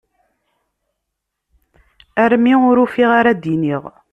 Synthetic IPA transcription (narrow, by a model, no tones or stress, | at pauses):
æɾmiʊɾufiʁaɾad̪iniʁ